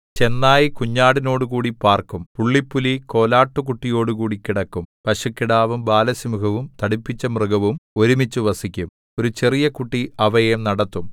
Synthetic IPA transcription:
t͡ɕe̞nːaːjikuɲːaːɽino̞ːɽukuːɽipaːrkumpuɭːipːuliko̞ːlaːʈːukuʈːijo̞ːɽukuːɽikːiɽɐkːumpɐʂukːiɽaːʋumbaːlɐsimukɐʋumt̪ɐɽipːit͡ɕːɐmrɨɡɐʋumo̞ɾumit͡ɕːuʋɐsikʲːum | o̞ɾut͡ɕe̞rijɐkuʈːiʔɐʋɐjemnɐɽɐt̪ːum

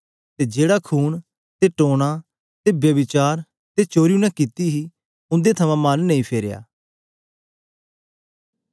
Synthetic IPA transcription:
t̪eːd͡ʒeːɽakʰuːn | t̪eʈoːɽ̃ãː | t̪eːbjəbɪt͡ʃaːɾ | t̪et͡ʃoːɾiũːnɛ̃kit̪iɦiː | ʊ̃nd̪et̪ʰəmãːmɐnːɐĩːpʰeːɾeja̰ː

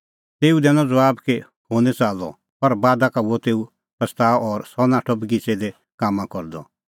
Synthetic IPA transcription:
t̪eːud̪ɛnɔ̃d͡zɐʋaːbke | hoːnɛ̃t͡saːlɔ̰ | pɐɾbaːd̪akauɔt̪eːu | pɐst̪aːɔɾsɔnãːʈʰɔbɡit͡sed̪ɛ | kaːmːãkɔɾd̪ɔ̰

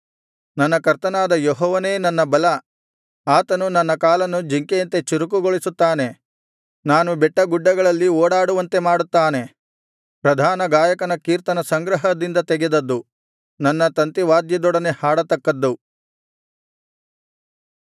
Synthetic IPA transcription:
nɐnːɐkɐɾt̪ɐnaːd̪ɐjɔɦɔːʋɐne̞ːnɐnːɐbɐlɐ | aːt̪ɐnunɐnːɐkaːlɐnud͡ʒiŋkejɐnt̪e̞t͡ʃiɾuk̬uɡoɭisut̪ːaːne̞ | naːnubɛʈːɐɡuɖːɐɡɐɭɐlːioːɽaːɽuʋɐnt̪e̞maːɽut̪ːaːne̞ | pɾɐd̪ʱaːnɐɡaːjɐkɐnɐkiːɾt̪ɐnɐsɐŋɡɾɐɦɐd̪ind̪ɐt̪ɛɡed̪ɐd̪ːu | nɐnːɐt̪ɐnt̪iʋaːd̪jɐd̪ɔɽɐnehaːɽɐt̪ːɐkːɐd̪ːu

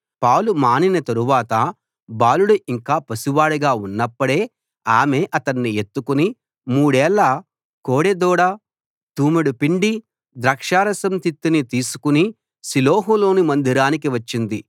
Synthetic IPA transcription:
paːwlumaːninɐt̪ɐɾuʋaːt̪ɐ | baːluɽuiŋkaːpɐsuʋaːɽuɡaːunːɐpːɐɽe̞ː | aːme̞ːʔɐt̪ɐnːie̞t̪ːukuni | muːɽɛːlːɐ | koːɽed̪ɔːɽaː | t̪uːmiɽupiɳɖi | d̪ɾɐːkʂaːɾɐsɐmt̪it̪ːinit̪iːsu̥kuni | siloːɦulo̞ːnimɐnd̪iɾaːnik̬iʋɐt͡ʃːind̪i

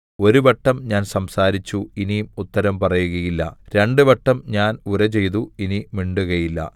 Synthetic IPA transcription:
o̞ɾuʋɐʈːɐmɲaːnsɐmsaːɾit͡ɕːuinijumut̪ːɐɾɐmpɐrɐjuɣɐjilːɐ̰ɾe̞ɳɖuʋɐʈːɐmɲaːnuɾɐt͡ɕe̞jt̪uinimiɳɖuɣɐjilːɐ̰

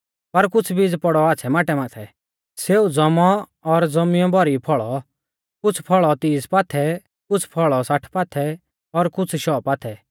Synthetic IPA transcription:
pɐɾkʊt͡sʰbid͡zpɔɽɔaːt͡sʰɛmaːʈɛmaːt̪ʰɛ | seːud͡zɔmɔ | ɔɾd͡zɔmɪjɔ̃bʱɔɾipʰɔɭɔ | kʊt͡sʰpʰɔɭɔt̪iːspaːt̪ʰɛ | kʊt͡sʰpʰɔɭɔsaʈʰpaːt̪ʰɛ | ɔɾkʊt͡sʰʃɔːpaːt̪ʰɛ

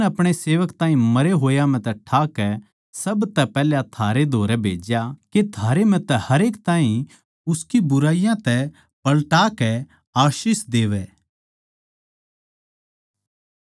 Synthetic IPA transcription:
ɐpɽ̃eseːʋəkt̪ãːĩmɐɾeɦoːjam̤ɛ̃t̪ɛʈʰaːkɛ | sɐbt̪ɛpɛːljat̪ʰaːɾed̪ʱoːɾɛbʱḛːd͡ʒjaket̪ʰaːɾem̤ɛ̃t̪ɛhɐɾeːkt̪aːɦĩ | ʊskibʊɾaːijãt̪ɛ | pɐlʈaːkɛ | aːʃisd̪eːʋɛː

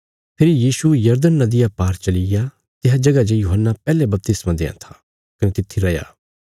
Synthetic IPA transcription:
pʰɪɾijiːʃujɐɾd̪ənːɐd̪ɪjapaːɾt͡ʃɐlɪja | t̪ɪɦad͡ʒɐɡad͡ʒejuːɦənːapɛːlebɐp̚t̪ɪsmãd̪ḛ̃ːã̰t̪ʰḁː | kɐnẽt̪ɪt̪ʰːiɾɐja̰ː

